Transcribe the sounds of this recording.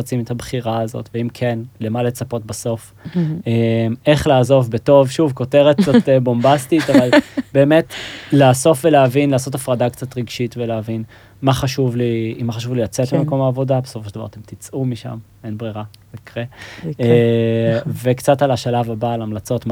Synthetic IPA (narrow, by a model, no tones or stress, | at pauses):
at͡simetabχiʁaːzo̞̰tveimkʰenle̞male̞t͡sapo̞t̚baso̞f | eme̞χlaːzo̞vbeto̞vʃuvko̞teʁet̚zotbo̞mbastitavalbe̞ːme̞tlaːso̞fve̞leavinlaːso̞t̬afʁadakt͡satʁiɡʃitveleavin | maχaʃuvliimaχaʃuvlilat͡setbemeko̞maːvo̞dabesofoʃeldava̰ʁat̪emt̪it͡sʔumiʃa̰m | enbʁiʁa | ikʁe | ve̞kt͡satalaʃalavabaːlamlat͡so̞tm